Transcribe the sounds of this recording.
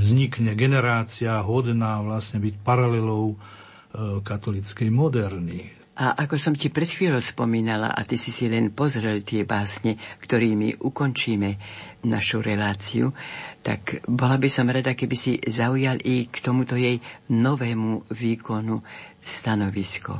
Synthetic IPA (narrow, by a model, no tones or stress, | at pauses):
zɲikɲɛɡɛnɛɾaːt͡siaɦɔd̪naːʋlasɲɛbicpaɾalɛlɔʊ | kat̪ɔlit͡skɛjmɔd̪ɛɾni | ʔaʔakɔsɔmcipɾɛt̪xʋiːlɔʊspɔ̰miːnala̰ʔa̰t̪isisilɛnpɔzɾɛlt̪ɪɛbaːsɲɛkt̪ɔɾiːmḭʔukɔnt͡ʃiːmɛnaʃuɾɛlaːt͡siṵt̪a̰kbɔlabisɔmɾad̪akɛbisizaujalikt̪ɔmut̪ɔjɛjnɔʋɛːmuʋiːkɔnu | st̪anɔʋiskṵ